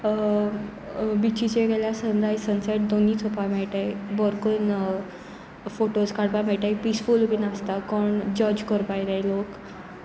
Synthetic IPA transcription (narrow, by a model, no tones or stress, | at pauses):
bit͡ɕit͡ɕeɡɛljasənd̪ʱajsənseʈ̚d̪oniːt͡sʰopamɛɭʈajbɔɾkən | foʈoskaɽpamɛɭʈajpisfulubinast̪akɔɳd͡ʑəd͡ʑkəɾpajɾajlok